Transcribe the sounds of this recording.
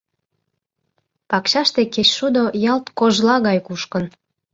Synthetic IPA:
pɑkɕɑʃt̪ekeɕʃud̪ojɑlt̪koʒlɑɣɑjkuʃkən

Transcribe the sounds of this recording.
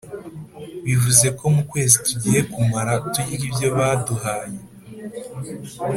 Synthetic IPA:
βivuze̞ko̞mukwe̞ːzituɟihe̞kumaɾatujiɾibjo̞βaːduhaːje

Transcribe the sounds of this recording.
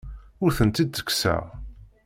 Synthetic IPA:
ʊɾθənt̪id̪t͡sə̥kːsæ̰ʁ

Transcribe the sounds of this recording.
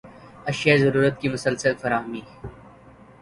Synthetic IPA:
ɐʃjazɐɾuːɾət̪̚kimʊsəlsəlfɐɾaːɦmĩː

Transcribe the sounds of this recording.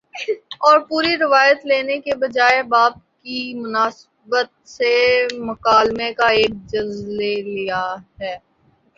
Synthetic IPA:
ɔːɾpuːɾiɾɪʋaːjət̪leːnekebɐd͡ʒaːebaːp̚kimʊnaːs | bət̪̚semʊkaːlmekaeːk̚d͡ʒɐlzlelijaɦɛː

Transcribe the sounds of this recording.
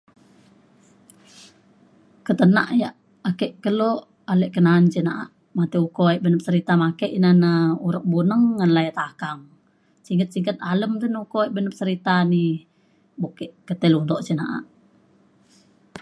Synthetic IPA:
kət̪əna̰ʔja | akɛʔkəlo | alɛʔkənant͡ʃinaʔa̰ʔ | mat̪iukoeʔbənəp̚səɾit̪amakəʔinanəuɾək̚bunəŋːanlajət̪akaŋ | siŋkət̪̚siŋkət̪̚aləmt̪ənukoiʔbənəp̚səɾit̪ani | bokɛʔkət̪ɛlund̪oʔt͡ʃinaʔa̰ʔ

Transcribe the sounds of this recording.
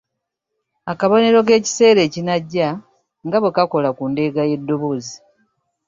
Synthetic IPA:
akaβoniɾo̞k̬e̞ːci̥se̞ːɾe̞ːcinaɟːa | ŋɡaβwekako̞lakuːnde̞ːɡaje̞dːo̞βo̞ːzi

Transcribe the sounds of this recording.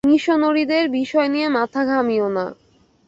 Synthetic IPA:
niʃonoɾid̪eɾbiʃɔeniemat̪ʰaɡʱamiona̰

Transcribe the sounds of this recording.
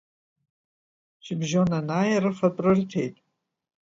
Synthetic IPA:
t͡ʃʰɪbʒonanaːjarɨfapʼrɨrtʰe̞̰jtʼ

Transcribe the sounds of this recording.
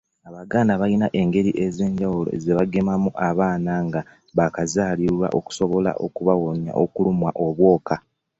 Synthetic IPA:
aβaɡaːnaβainaʔe̞ŋɡe̞ɾiʔe̞ze̞ːɲɟawulo̞̰zeβaɡe̞mamuʔaβaːnaŋɡa | βakazaːliɾwa̰ʔo̞̰ku̥so̞βo̞la̰ʔo̞̰kuβawoɲa̰ʔokulumwaʔo̞βwo̞ːka

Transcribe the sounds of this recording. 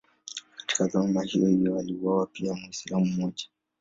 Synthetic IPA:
kḁti̥kazamahḭjɔhivjɔaliuwawapiamwisilamummɔʄḁ

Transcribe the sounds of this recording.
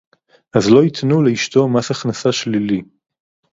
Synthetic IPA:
ʔazlo̞it̪nuleiʃt̪o̞masaχnasaʃlili

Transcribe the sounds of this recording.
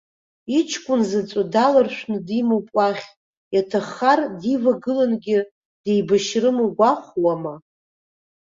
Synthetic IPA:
it͡ʃʰkʷʼʊnzat͡sʼadalarʃʷᶣnɨdimɨwpʷʼaχʲ | jatʰaχardivaɡɨlanɡʲɪ | d̥ejbaʃrɨmɨɡʷaχʷwama

